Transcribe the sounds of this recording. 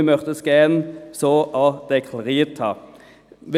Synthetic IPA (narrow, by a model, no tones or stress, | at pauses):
mœʁt̪əskeːnsoːʔɑd̪ɛkʰlɑʁiːt̪ʰɑ̰ | ʋɪ